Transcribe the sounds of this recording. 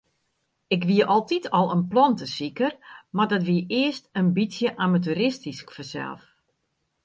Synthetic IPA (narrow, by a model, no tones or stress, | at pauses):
ɪkʋiəʔɔlˠtitʰɔlˠənplɔntəsikərmardɔtʋiəʔɪəstənbisjəʔamatuɾɪstiskfəsɛ̰lˠf